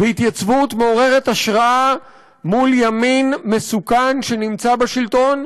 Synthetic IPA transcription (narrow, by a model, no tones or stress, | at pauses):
veit̪jat͡svut̪me̞o̞ʁe̞ʁe̞t̪aʃʁaʔa | muljaminme̞sukanʃe̞nimt͡sabeʃilt̪o̞n